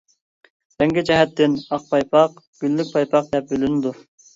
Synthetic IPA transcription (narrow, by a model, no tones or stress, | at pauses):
b̪ɛŋɡʲid͡ʒɛɦɛt̪ʰːɪnɑq̚pʰɑjpʰɑq | ɡ̥ʲylːyk̚ʲpʰɑjpʰɑq̚d̪ɛp̚bølynɪd̪u